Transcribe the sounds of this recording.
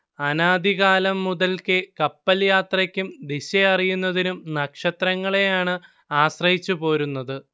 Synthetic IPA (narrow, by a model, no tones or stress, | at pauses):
ɐnaːd̪iɣaːlɐmːuðɐlkɨkɐpːɐljaːt̪rɐkʲːumd̪iɕeɐrijunːɐðinumnɐkʂɐt̪rɐŋːɐɭe̞jaːɳɨ | aːɕrɐhit͡ɕːupo̞ːɾunːɐðɨ